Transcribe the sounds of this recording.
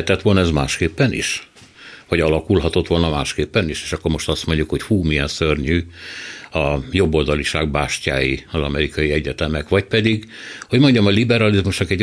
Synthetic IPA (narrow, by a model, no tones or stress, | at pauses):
t̪ɛt̪ʋo̞lnɒɛzmaːʃkeːpːɛnḭʃ | vɒɟɒlɒkulɦɒt̪o̞t̪ʋo̞lnɒmaːʃkeːpːɛniʃeːʃɒkːoɾmo̞ʃt̪ɒst̪mo̞ɲɟukho̞cfuːmijɛnsørɲyː | ɒjo̞bːo̞ld̪ɒliʃaːɡ̚baːʃca̰ːjiɒzɒmɛɾikɒjiɛɟɛt̪ɛmɛkʋɒcpɛd̪iɡho̞ɟmo̞ɲɟɒmɒlibɛɾɒlizmuʃnɒkɛɟ